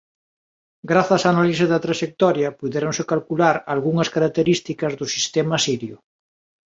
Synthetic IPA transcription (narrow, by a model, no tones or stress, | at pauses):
ɡɾaθɐsanalisɪðɐt̪ɾaʃek̚t̪ɔɾjɐpuðɛɾoŋsɪkalkulaɾalɣuŋɐskaɾak̚t̪eɾist̪ikɐzðʊsist̪emɐsiɾjʊ